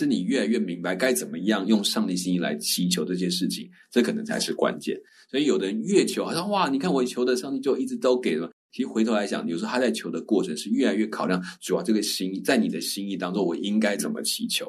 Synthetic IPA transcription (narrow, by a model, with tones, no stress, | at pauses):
ɻ̩˥˩ni˨˩ɥɛ˥˩la˧ɪɥɛ˥˩mi˧˥ŋpa˧ɪka˥ɪt͡sə˨˩nmə˦˧˥jɑ˥˧ŋjʊ˥˧ŋʂɑ˥˧ŋt̪i˥˩ɕi˥ŋi˥˩la̰˧˥ɪt͡ɕʰi˧˥t͡ɕʰjo˧˥ʊʈ͡ʂɤ˥˩ɕ̬jɛ˥ʂɻ̩˥˩t͡ɕʰḭ˨˩ŋ | ʈ͡ʂɤ˥˩kʰɤ˨˩nə˧˦ŋt͡sʰa̰˧ɪʂɻ̩˥˩kwa̰˦˥nt͡ɕjɛ̰˥˩n | swɔ˧˥i˨˩jo˨˩ʊd̪ə˦ɻə˧˦nɥɛ˥˩t͡ɕʰjo˧ʊxa˨˩ɕjɑ˥˧wa˥˩ni˨˩kʰa˥˩nwɔ˧˩t͡ɕʰjo˧˥ʊd̪ə˨ʂɑ˥˧ŋt̪i˥˧t͡ɕjo˥˧ʊi˥˩ʈ͡ʂɻ̩˧˥t̪o˥ʊke˨˩ɪʂə˧˥mə˨˩t͡ɕʰi˧˥i˥˩xwe˧˥ɪt̪ʰo˧ʊa˧˥ɪjɑ̰˨˩ŋt͡ɕjʂ̩ʰ˧˥˩a˥t͡sa˥˩ɪt͡ɕʰjo˧˥ʊd̪ə˧kwɔ˥˩ʈ͡ʂʰə˧˥ŋʂɻ̩˥˧ɥɛ˥˩la˧˥ɪɥɛ˥˩kʰɑ˨˩ʊljɑ˥˩ŋʈ͡ʂu˨˩jɑ˨˩ʈ͡ʂɤ˥˩ɡə˩ɕi˥ŋi˥˩t͡sa˥˩ɪni˨˩d̪ə˦ɕi˥ŋi˥˩˧t̪ɑ˥ŋt͡so˥˩ŋwɔ̰˨˩i˦˥ŋka˥ɪt͡sə˨˩nmə̰˦t͡ɕʰi˧˥t͡ɕʰjo̰˧˦ʊ